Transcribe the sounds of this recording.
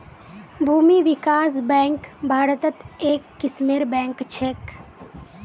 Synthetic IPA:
bʱuːmiʋɪkaːsbɛ̃ːŋkbʱaːɾət̪ət̪eːkːɪsmeːɾbɛ̃ːŋkt͡ʃʰeːk

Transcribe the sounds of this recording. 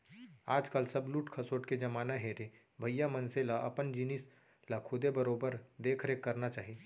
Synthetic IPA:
aːd͡ʒkəlsɐbluːʈkʰɐsoːʈked͡ʒɐmaːnaɦeːɾe | bʱɐjːamɐnselaʔɐpənd͡ʒinɪs | lakʰʊd̪ebəɾoːbəɾd̪eːkʰɾekːɐɾnat͡ʃaːɦie

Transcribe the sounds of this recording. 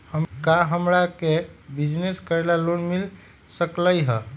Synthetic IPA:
həmkaɦəmɾakebid͡ʒneskəɾelalonmil | səkləjɦə

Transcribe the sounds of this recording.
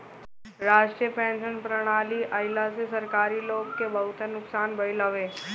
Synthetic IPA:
ɾaːʃʈɾijəpɛ̃ːnʃənpɾəɽ̃aːliʔɐɪlasesɐɾkaːɾiloːɡkebɐɦʊt̪enʊksaːnbɐɪləʋẽː

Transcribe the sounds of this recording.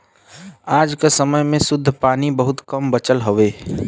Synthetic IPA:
aːd͡ʒkesəməjmẽsʊd̪ʱːpaːnibəɦʊt̪kəmbət͡ʃəlɦoʋeː

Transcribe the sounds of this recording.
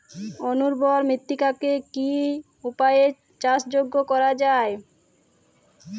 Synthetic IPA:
onuɾbɔɾmɾit̪ːikakeki | upaje | t͡ɕasd͡ʑoɡːokɔɾad͡ʑae

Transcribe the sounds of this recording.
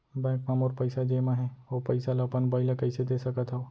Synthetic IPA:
bɛ̃ːkmamoːɾpəɪsad͡ʒeːmãɦɛʋopɐɪsalapənbəɪlakɐɪsed̪eːsəkət̪ɦoː

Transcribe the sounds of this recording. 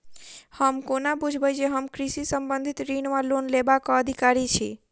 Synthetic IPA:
həmkonabud͡ʒʱbəjd͡ʒeɦəmkɾisisəmbənd̪ʱit̪ɾinʋalonlebakɔəd̪ʱikaɾit͡ʃʰḭ

